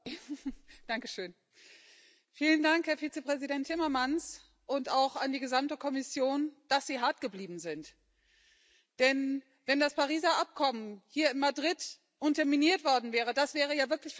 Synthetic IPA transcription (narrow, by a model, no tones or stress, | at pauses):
d̥aŋkəʃøːn | fiːləndaŋkhɛːɐfiːt͡səpʁ̥ɛzidɛntʰɪmɐmans | ʔʊntaʊxandiːɡəzamtəkʰɔmɪsjoːnd̥asz̥iːɦaɐtɡ̥əbliːbm̩zɪnt | d̥ɛn | vɛndaspaʁ̞iːzaʔap̚kʰɔmənhiːɐɪnmadʁɪt | ʔʊntɛɐminiːɐtv̥ɔɐdn̩vɛːʁ̞ədasv̥ɛːʁ̞əjaːvɪɐklɪç